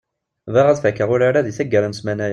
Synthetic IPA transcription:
væʁæðfækːəʁʊɾaɾaðiθæɡːæɾəmsmænæj

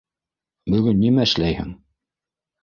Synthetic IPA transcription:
bɵ̆ɡɵnːimæɘ̆ʃlæjhɘ̰ŋ

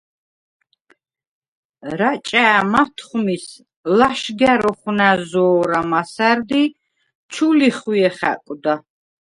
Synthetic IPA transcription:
ɾat͡ʃʼaːmat̪ʰχmis | laʃɡaɾɔχwnazɔːɾamasæɾd̪i | t͡ʃʰuliχiɛχæ̰kʼd̪a

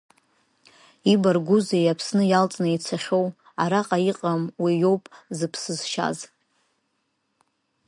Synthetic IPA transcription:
ibarɡʷuzejapʰsnɨjalt͡sʼnɨit͡sʰaχʲo̞w | aɾaqʼaiqʼamwijo̞wpʼzɨpʰsɨzʃa̰z

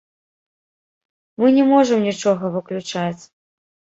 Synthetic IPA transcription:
mɨnʲɛmɔʐɨmnʲit͡ʂɔɣɐvɨklʲut͡ʂat͡sʲ

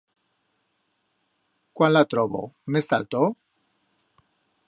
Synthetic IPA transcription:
kwanlat̪ɾoβo̰mesa̰lt̪o

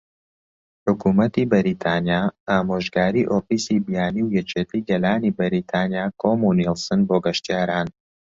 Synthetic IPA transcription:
ħʊkuːmɐt̪iːbɐɾit̪ʰanjaːʔaːmoːʒɡaːɾiːʔoːfiːsibijaːniwjɛt͡ʃet̪ʰijɡɐlaːnibɐɾit̪ʰaːnjaːkʰomunilsɨnboːɡɐʃt̪ijaːɾaːn

